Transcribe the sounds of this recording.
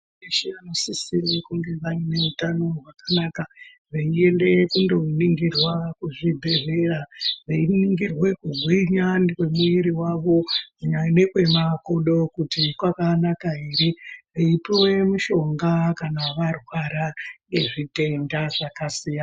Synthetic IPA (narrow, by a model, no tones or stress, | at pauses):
iʃianosisirikuŋɡe̞ʋarine̞utano̞ɦwakanaka | ʋeie̞nde̞kundo̞uniŋɡirwakuʐibʱe̞ʐeraʋeiniŋɡirwe̞kuɡʱwiɲanwe̞muiɾiwaʋo̞uɲanekwe̞makoɗo̞kutikwakanakaiɾiʋeipiwe̞muʃo̞ŋɡakanaʋarwaɾane̞ʐite̞ndaʐakasija